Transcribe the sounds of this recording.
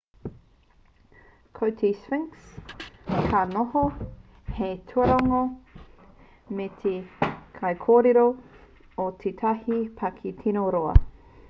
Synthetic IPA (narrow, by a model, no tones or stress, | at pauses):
kʰowtʰiswɪŋks | kʰanoho | hetʰuɐɾaŋo | metʰekʰɐjkʰoːɾeɾo | ot̪ʰet̪ʰɐhipʰɐkʰitʰinoɾoɐ̰